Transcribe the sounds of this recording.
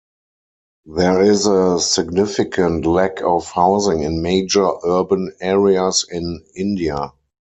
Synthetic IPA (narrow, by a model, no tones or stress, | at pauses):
ðɛɪzəsɪɡnɪfɪkʰə̃ntlækʰɔfhaʊzɪ̃ŋɪ̃nmeɪd͡ʒə˞ʔɜ˞bə̃nɛɹiasɪ̃nɪ̃ndia